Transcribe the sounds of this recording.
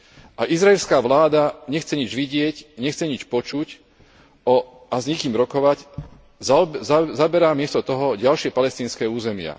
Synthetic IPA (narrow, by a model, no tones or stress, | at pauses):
ʔaʔizɾaɛlskaːʋlaːd̪aɲɛxt͡sɛɲid͡ʒʋiɟɪɛcɲɛxt͡sɛɲit͡ʃpɔt͡ʃuc | ɔ | azɲɛkiːmɾɔkɔʋac | zzabɛɾaːmɪɛst̪ɔt̪ɔɦɔɟalʃɪɛpalɛst̪iːnskɛːuːzɛmɪa̰